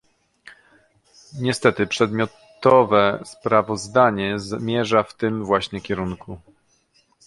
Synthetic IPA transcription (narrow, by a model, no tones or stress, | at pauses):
ɲɛst̪ɛt̪ɘpʂɛd̪mʲjɔtt̪ɔvɛspɾavɔzd̪aɲɛzmʲjɛʐaft̪ɘmvwaɕɲɛkʲɛɾunkʰu